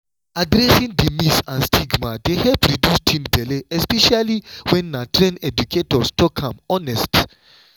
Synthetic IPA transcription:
adɾɛsĩŋdimisãnstʰiɡmadehɛpɹidjustʰĩnbɛleɛspɛʃaliwɛ̃nːatɾẽnɛduketɔstɔkʰãmɔnɛst

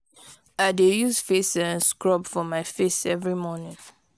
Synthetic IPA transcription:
aɪdejuzfesãnskɹɔbfɔmaɪfesɛvɹimɔnɪ̃ŋ

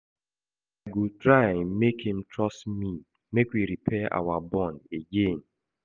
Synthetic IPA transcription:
aɡutɾajmekĩm̩tɾɔstmi | mekwiɾipʰɛʔa̰wabɔ̃ndeɡen

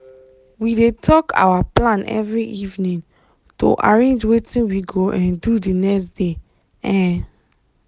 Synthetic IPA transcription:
widetʰɔkʰa̰waplãnʔɛ̰vɹiʔivnĩŋ | to̰ʔaɹẽnd͡ʒwetĩnwiɡoʔɛ̃ndudinɛksd̥e | ɛ̃n

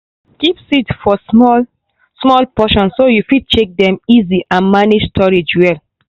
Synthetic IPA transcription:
kipsitfɔɔ | smɔlpɔʃɔ̃nssojufid̚t͡ʃek̚dɛ̃miziʔãnmaned͡ʒstʰɔɹid͡ʒwɛl

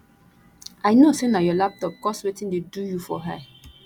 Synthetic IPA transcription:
ajnosenajɔlap̚tɔp̚kɔswetĩndedujufɔ̰ɦa̰

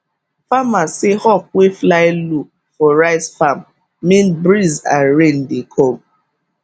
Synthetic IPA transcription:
famasɪhɔp̚weflaɪlu | fɔɾaɪsfam | minbɾizaɾen̩dɪkʰom̚

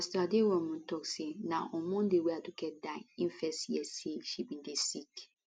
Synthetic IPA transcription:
astadewɛ̃mũtʰɔksenãʔɔ̃mɔ̃ndeweatuɡɛt̚dãĩnfɛstjɛseʃibĩndesik

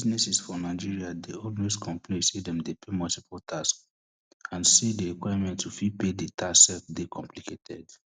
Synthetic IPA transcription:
biznɛsisfɔnaɪd͡ʒiɹiadeɔlmeskʰɔ̃mpʰlisidɛ̃mdepʰemɔltipʰɔltʰask | ãnsideɹikwajamɛ̃ntːufipedetʰasɛfdekʰɔ̃mplikʰetʰɛ̰d

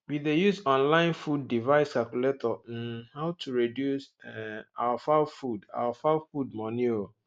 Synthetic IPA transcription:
bidejusɔ̃nlãɪ̃nfudːivaɪskalkuletʰɔɛ̃nhaʊtʰuɹedjusɛa̰wafafuda̰wafafud̚mɔ̃nio

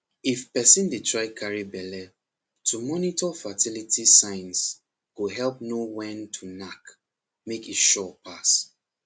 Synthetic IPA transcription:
ifpɛsĩndetʰɹaɪkʰaɹibɛlɛ | tʰumɔnitɔfatʰilitʰisãɪ̃ns | ɡoɦɛlp̚nowɛ̃ntʰunak | mekitʃɔpʰas

